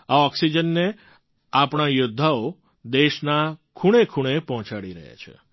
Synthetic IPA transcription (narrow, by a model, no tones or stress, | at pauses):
aɔksid͡ʒənːe | apɽ̃ajʊd̪ʱːao | d̪eʃnakʰuɽ̃ekʰuɽ̃epɔɦɔ̃t͡ʃaɽiɾə̰ɦja̰t͡ʃʰḛ